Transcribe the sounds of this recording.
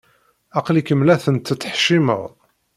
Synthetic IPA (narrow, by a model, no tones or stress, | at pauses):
ɑqlikəmlæθənt̪ːt͡sːəħʃimə̰ʁ